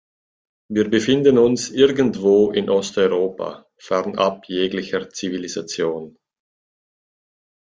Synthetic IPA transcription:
viːɐbəfɪndənʊnsʔɪɐɡəntv̥oːʔɪnʔɔstɔʏʁoːpa̰ | fɛʁnapjeːɡlɪçət͡sivilizat͡sjoːn

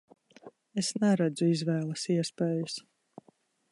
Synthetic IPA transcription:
esnɛɾad̪zuizvɛːlˠɐsiɛspɛːjus

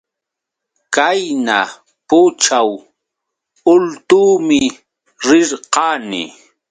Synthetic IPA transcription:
kajna | pʊt͡ʃaw | ʊlt̪uːmɪ | ɾɪɾqɑːnɪ̰

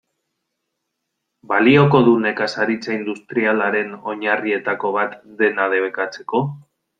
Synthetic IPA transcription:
balio̞ko̞ðune̞kasaɾit͡saind̪ust̪ɾialaɾe̞no̞ɲarie̞t̪ako̞β̞at̪d̪e̞nað̞e̞βe̞kat͡se̞̥ko̞

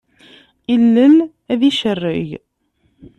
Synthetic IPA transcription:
ilːən | æðiʃərːɪ̰ʝ

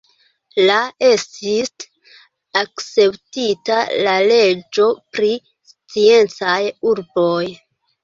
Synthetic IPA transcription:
lae̞stis | akt͡se̞ptitalale̞d͡ʒo̞pɾi | st͡sie̞nt͡sajuɾboj

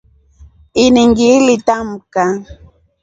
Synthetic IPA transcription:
ɪnɪŋɡilɪt̪amka

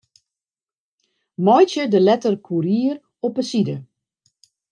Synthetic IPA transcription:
mɔjtjədəlɛtərkʰuɾiːər | ɔpəsidə

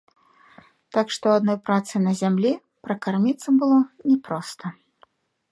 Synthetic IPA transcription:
t̪akʂt̪ɔwad̪nɔjpɾat̪sɨnɐzʲamlʲi | pɾɐkarmʲit̪sɐmbɨlˠɔnʲɛpɾɔst̪ɐ

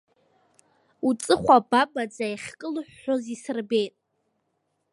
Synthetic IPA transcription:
ut͡sʼɨχʷababad͡zaiχʲkʼɨlħːozisɨrbe̞jtʼ

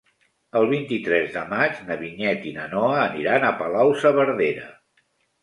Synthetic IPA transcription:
əlˠβint̪it̪ɾɛzðəmad͡ʒnəβiɲɛt̪inənɔəːniɾanəpəlawsəβəɾðeɾə

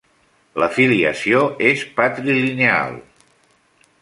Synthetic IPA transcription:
ləfiliə̰sioespət̪ɾilinea̰lˠ

